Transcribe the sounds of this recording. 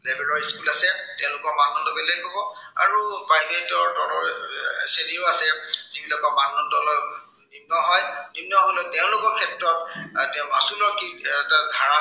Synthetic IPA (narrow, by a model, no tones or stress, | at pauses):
lebɛlɔɹiskulasɛtɛʊ̃lʊkɔɹmanɔndoɡɛlejkɔbɔ | a̰ɹupajmetɔɹdɔlɔɹseniɹʊasɛzibilakɔmanɔtɔlɔ | nibnɔɦɔjnibnːɔɦoletɛʊ̃lʊkɔɹkʰɛp̚tɹɔttɛʊ̃masulɔɹkitadʱaɹa